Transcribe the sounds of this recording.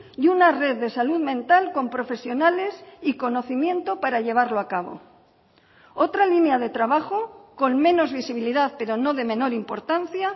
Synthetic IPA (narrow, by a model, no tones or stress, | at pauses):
junare̞ððe̞saluðmẽ̞nt̪alko̞mpɾo̞fe̞sjo̞nale̞siko̞no̞θimjẽ̞nt̪opaɾaʎe̞β̞aɾloakaβ̞o̞̰ | o̞t̪ɾalinjað̞e̞t̪ɾaβaxo̞ko̞nmẽ̞no̞zβisiβ̞iliðaðpe̞ɾo̞no̞ðe̞mẽ̞no̞ɾimpo̞ɾt̪anθja